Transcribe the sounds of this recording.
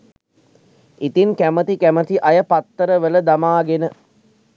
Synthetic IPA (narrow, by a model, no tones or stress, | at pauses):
it̪iŋkæmət̪ikæmət̪iʔajəpat̪ːəɾəʋələd̪amaːɡenə